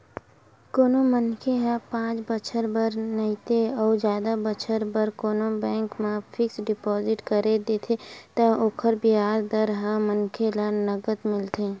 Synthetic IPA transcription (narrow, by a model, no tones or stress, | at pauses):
koːnomənkʰeɦə̃pãːt͡ʃbət͡ʃʰəɾbəɾnɐɪt̪eɔːɾd͡ʒjaːd̪abət͡ʃʰəɾbəɾkoːnobɛ̃ːŋkmẽfʰɪksɖɪpɔːzɪʈkəɾed̪eːt̪ʰet̪ɐoːkʰəɾbʱiaːɾd̪əɾɦə̃mənkʰelanəɡət̪mɪlt̪ʰeː